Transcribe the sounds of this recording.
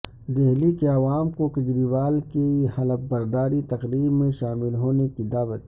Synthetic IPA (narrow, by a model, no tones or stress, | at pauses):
d̪eɦlikeɐʋaːmkokɐd͡ʒɾiʋaːlkehɐləp̚bɐɾd̪aːɾit̪ɐqɾiːbmẽʃaːmɪlɦoːnekid̪aːʋət̪̚